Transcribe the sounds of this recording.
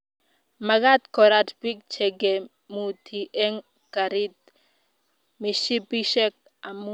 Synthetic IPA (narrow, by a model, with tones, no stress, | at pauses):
ma˨ɡa˦t̪kɔ˨ɾa˦tbi˦k̚t͡ʃɛ˨ɡɛ˨ | mu˨t̪ʰi˨ʔɛ˦ŋ | ka˨ɾi˦t̪̚ | mi˨ʃi˦pi˦ʃɛ˦k̚ | a˨mu˦